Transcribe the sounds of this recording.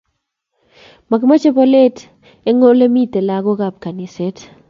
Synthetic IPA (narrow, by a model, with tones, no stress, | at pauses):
ma˨ɡma˦t͡ʃe˦bɔ˦le˦t | e˦ŋo˦le˦mi˦te˨la˦ɡɔ˦ɡa˨p̚ka˨ni˨se˦t